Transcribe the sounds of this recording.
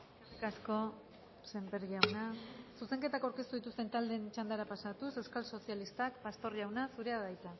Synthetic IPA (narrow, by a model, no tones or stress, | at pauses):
rkasko̞ | se̞mpeɾʝawnasuse̞ŋke̞t̪akawɾke̞st̪uðit̪ust̪e̞nt̪ald̪ent͡ʃand̪aɾapasat̪use̞wskalso̞sialist̪akpast̪o̞ɾʝawnasuɾe̞aðajt͡sa